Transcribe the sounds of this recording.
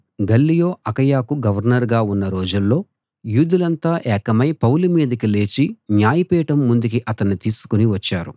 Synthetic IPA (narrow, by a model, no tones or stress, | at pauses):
ɡɐlːijo̞ːʔɐkɐjaːkuɡɐʋɐɾnɐɾɡaːunːɐɾo̞ːd͡ʒulːo̞ː | juːd̪ulɐnt̪aːʔɛːkɐmɐjpɐwlumiːd̪ɐkile̞ːt͡ʃinjaːjipɛːʈɐmːund̪uk̬iʔɐt̪ɐnːit̪iːsu̥kuniʋɐt͡ʃːaːɾu